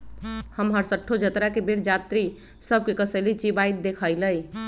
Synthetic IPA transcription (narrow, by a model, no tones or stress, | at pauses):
həmɦəɾsəʈʰːod͡ʒət̪ɾakebeɽd͡ʒat̪ɾi | səb̚kekəsəlit͡ʃibajt̪̚d̪ekʰəjləj